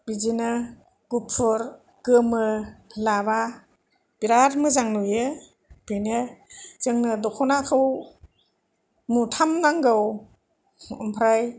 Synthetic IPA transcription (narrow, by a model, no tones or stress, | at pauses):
bizinɯ | ɡ̥upʰːuɾ | ɡ̥ɯmɯlaba | b̥iɾaɾmɯzaŋnujɯ | benɯz̥ɯŋnɯdɔkʰɔnakʰɯw | mutʰamnaŋɡɯw | ɯmpʰɾaj